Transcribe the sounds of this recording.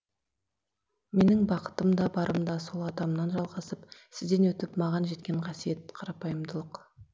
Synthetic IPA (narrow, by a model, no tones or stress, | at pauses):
me̞nɪŋbɑqə̥t̪əmd̪ɑbɑɾʔəmd̪ɑso̞lˠɑd̪ɑmnɑnʒɑlˠʁɑsəpsɪzd̪enwɵt̪ɪpmɑʁɑnʒe̞t̪̚kʲe̞ɴqʰɑsije̞t̪̚qʰɑɾɑpɑjəmd̪əlˠəq